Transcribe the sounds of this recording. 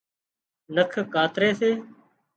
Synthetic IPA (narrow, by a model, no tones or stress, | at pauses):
nəkʰkaːt̪ɾeːseː